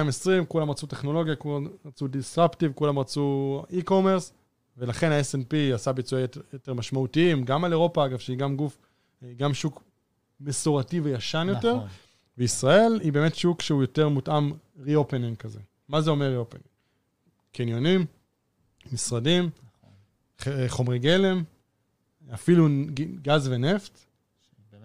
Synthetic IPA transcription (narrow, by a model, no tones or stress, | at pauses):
mesʁimkulamʁat͡suteχno̞lo̞ɡjakulaʁat͡sudisʁaptivkulamʁat͡suiko̞me̞ʁs | ve̞laχe̞nhaesenpiasabit͡sujajoteʁmaʃmautiimɡamaleʁo̞paaɡavʃeiɡamɡuf | ɡamʃuk | mesoʁativejaʃanjo̞te̞ʁ | veisʁae̞libeːmetʃukʃeujo̞te̞ʁmutʔam | ʁiopeniŋkazḛ | mazeo̞meʁiopḛniŋ | kenjo̞nimː | isʁadim | eχo̞mʁeɡele̞m | afiluɡazvene̞ft